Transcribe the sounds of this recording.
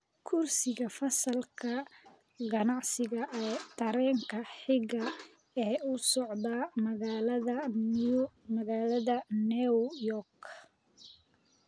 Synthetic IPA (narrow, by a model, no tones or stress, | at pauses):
kʰʊrsɪɣɐfɐsɐlkʰɐ | ɡɐnɑʕsɪɣɐʔɛt̪ʰɐɾɛːŋkʰɐħɪɡɐ | ɛːʊsɔʕd̪ɐmɐɣaːlɐðɐn | mɐɣaːlɐðɐnijɔrk